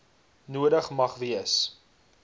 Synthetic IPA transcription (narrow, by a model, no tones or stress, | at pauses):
nuədəχmɐχviəs